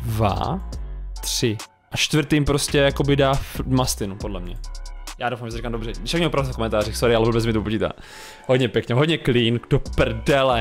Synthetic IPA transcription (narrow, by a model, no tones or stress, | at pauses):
va̰ | t̪r̥ɪ | ʔat͡ʃt̪vɾt̪iːmpɾoscɛjako̞bɪdaːfmast̪ɪnupodlɛmɲɛ̰jaːdowfamʒɛsɾikamdorɛdɪʃakɲɛopɾavsafkomɛnt̪aːɾixsoɾɪalɛvolbɛt͡s̬mɪt̪upociːt̪a̰ː | ɦodɲɛpjɛkɲɛɦodɲɛkliːnɡdopr̩dɛlɛ